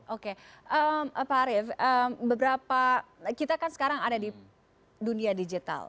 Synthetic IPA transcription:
ʔokeʔəməpaɾɪfəmbəbəɾapakit̪akansə̥kaɾaŋadadi | duniadid͡ʒit̪a̰l

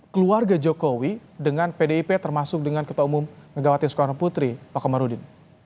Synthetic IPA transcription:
kəluarɡad͡ʒokowidəŋanpedeipet̪ərmasʊk̚dəŋankət̪aumʊmkəɡawat̪isə̥koɾaput̪ɾipakamaɾudɪn

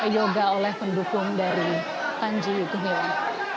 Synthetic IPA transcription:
joɡaolɛhpəndukʊŋdaɾi | kaɲd͡ʒijuk̪uɦɔ

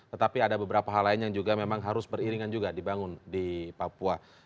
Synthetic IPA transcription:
t̪ət̪apiadabəbəɾapaɦalaɪnjaŋd͡ʒuɡamemaŋɦaɾʊsbəriɾiŋand͡ʒuɡadibaŋʊndipapua

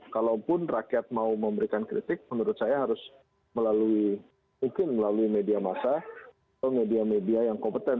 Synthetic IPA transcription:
kalawpʊnrakiɛt̪̚mauməmbəɾikankɾḭt̪ɪk̚mənuɾʊt̪̚sajaɦaɾʊs | məlalui | muŋkɪnməlaluimediamasa | at̪awmediamediajaŋkɔmpət̪ɛn

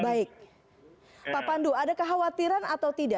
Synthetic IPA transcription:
baɪk̚ | papanduadakəɦawat̪iɾanat̪awt̪ida

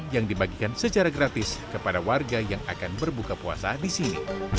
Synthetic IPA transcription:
jaŋdibaɡikansət͡ʃaɾaɡɾat̪ɪskəpadawarɡajaŋakanbərbukapua̰sadisinḭ

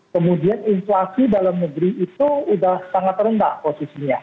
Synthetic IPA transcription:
kəmudianinflasidalamnəɡɾiːt̪uːdahsaŋat̪rəndahposisiɲa

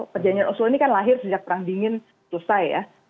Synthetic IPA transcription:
pərd͡ʒanianʔɔsloinikanlaɦɪrsəd͡ʒak̚pəɾaŋdiŋɪn | susajja̰

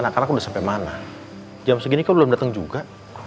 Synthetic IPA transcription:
anakarnakudahsampamana | d͡ʒamsəɡinikabəlʊmdat̪əŋd͡ʒuɡa

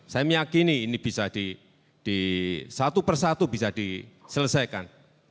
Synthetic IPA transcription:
sajaməjakiniːnib̥isad̥i | d̥isat̪upərsat̪ubisadisələsajkan

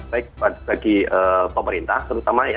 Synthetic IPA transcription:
baik̚bab̥aɡiəːpəməɾint̪aht̪əɾut̪amaja

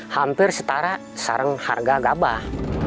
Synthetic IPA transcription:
hampɪrsət̪aɾa | sa̰ɾəŋha̰rɡaɡaba

